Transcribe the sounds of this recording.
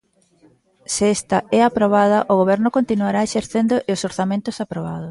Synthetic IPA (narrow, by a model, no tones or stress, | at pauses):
sɪɛst̪ɐɛapɾoβ̞að̞ɐʔoɣ̞oβɛɾnʊkont̪inuaɾaeʃeɾθend̪oʔɪosoɾθamẽnt̪ʊsapɾoβ̞a̰ð̞os